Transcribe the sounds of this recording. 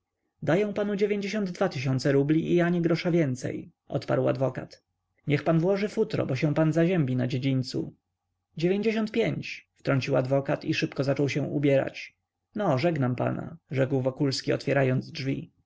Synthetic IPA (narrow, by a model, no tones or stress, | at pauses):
d̪ajɔ̃w̃panud͡ʑevʲjeɲd͡ʑeɕ̬ɔnd̪d̪vat̪ɘɕ̬ɔnt̪sɛɾublʲiʔiaɲiɡɾɔʂavʲjɛnt̪sɛ̰j | ʔɔ̰t̪pa̰ɾwa̰d̪vɔka̰t̪ | ɲɛxpanvwɔʐɘfut̪ɾɔ̰bɔɕɛ̃w̃panzaʑɛmbʲinad͡ʑed͡ʑiɲʲt̪sṵ | d͡ʑevʲjeɲd͡ʑeɕɔ̃nt̪̚pʲjeɲt͡ɕft̪ɾɔɲt͡ɕiwad̪vɔkat̪iʂɘpkɔzat͡ʂɔwɕɛ̃ṵbʲjɛɾa̰t͡ɕ | nɔʐɛɡnampa̰na̰ʐɛkwvɔkulskʲiɔ̰t̪fʲjɛɾajɔnd̪zʐvʲḭ